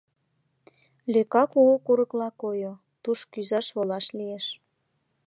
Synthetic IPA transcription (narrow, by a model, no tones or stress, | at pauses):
løkɑkuɣokuɾəklɑkojo | t̪uʃkyzɑʃβolɑʃlieʃ